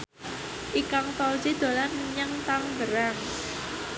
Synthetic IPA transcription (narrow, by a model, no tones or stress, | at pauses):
ʔikaŋfalsid̪̥o̤lanməɲaŋt̪aŋdəɾaŋ